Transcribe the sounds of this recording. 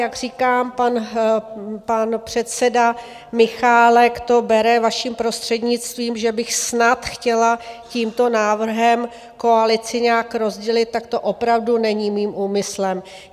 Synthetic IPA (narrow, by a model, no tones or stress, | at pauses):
jaɡr̝iːkaːmpan | panpr̝̥ɛt̪sɛda | mɪxaːlɛkt̪o̞bɛɾɛvaʃiːmpɾo̞st̪r̝̥ɛdɲɪt͡st̪viːmʒɛbɪxsnat̪xcɛlaciːmt̪o̞naːvr̩ɦɛm | ko̞alɪt͡sɪɲaːkɾo̞zɟɛlɪt̪̚t̪ːakt̪o̞ʔo̞pɾavdunɛɲimiːmʔuːmɪslɛm